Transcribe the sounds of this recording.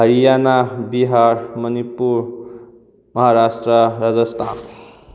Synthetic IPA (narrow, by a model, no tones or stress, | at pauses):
ɦʌɾijanabiɦaɾmʌnipːuɾ | mʌɦaɾasʈrʌɾad͡zʌst̪ʰan